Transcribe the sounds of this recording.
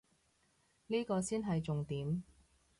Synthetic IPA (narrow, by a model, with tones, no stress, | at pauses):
niː˥kɔː˧siː˥nɦɐ˨jt͡sʊ˨ŋt̪iː˨˥m